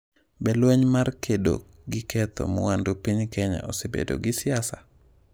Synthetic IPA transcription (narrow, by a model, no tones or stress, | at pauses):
bɛlweɲmarkʰedo̰ | ɡɪkɛt̪o̰mɔ̰wandopiɲkɛɲa̰ɔsebḛdo̰ɡɪsɪasa